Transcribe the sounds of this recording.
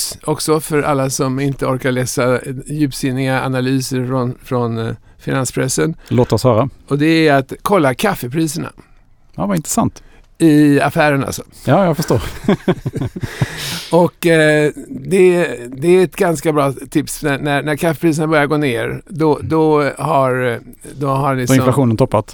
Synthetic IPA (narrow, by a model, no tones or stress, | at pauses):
sɔksɔfœɾʔa̰lːasɔmɪnt̪əɔɾkaɾɭɛːsajʉ̟ːpsɪnːɪɡaa̰nalyːsəɾfɾɔnfɾɔn | fɪnanspʰɾɛsːənloːt̪ɔshœːɾaɔd̪ɛæjat̪kʰɔlːakʰafːəpʰɾiːsəɳa̰ | jɑvaɪnt̪ɾəsa̰nt̪ | ɪa̰fæːɾəna̰lsɔ̥jɑːjafœʂt̪oːɾ | ɔkː | d̪ɛd̪ɛæɛt̪ɡanskabɾɑːt̪ʰɪpsnænænæɾkʰafːɛpʰɾiːs̬ənabœɾjaɾɡoːneːɾd̪ɔd̪ɔhaɾd̪ɔɦalɪɪɔflaɧuːnənt̪ʰɔpːat̪